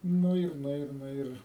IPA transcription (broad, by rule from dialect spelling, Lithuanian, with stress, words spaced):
ˈnʊ ɪr ˈnʊ ɪr ˈnʊ ɪr